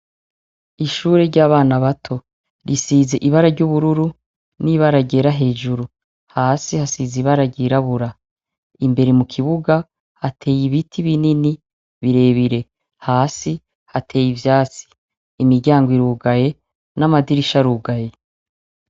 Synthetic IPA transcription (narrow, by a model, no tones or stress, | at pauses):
iʃuːɾe̞ɾɟaːβaːnaβatʰo̞ | ɾʔisiːze̞ʔiβaɾaɾɟuβuɾuɾu | niβaɾaɟe̞ːɾaɦe̞ːʒuɾu | haːsihasiziβaɾaɟiɾaβuɾa | imbe̞ɾemukʰiβuɡa | hatʰe̞ːjiβitʰiβinini | βiɾe̞ːβiɾe̞ | haːsi | hatʰe̞ːjivjaːt͡si̥ː | miɾɟaːŋɡwiɾuːɡaje̞ | namadiɾiʃaɾuːɡaje̞